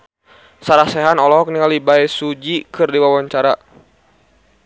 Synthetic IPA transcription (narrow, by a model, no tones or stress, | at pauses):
saɾasɛɦanɔlɔɦɔk̚niŋalibaɛsud͡ʒikɨrdiwawaɲt͡ʃaɾa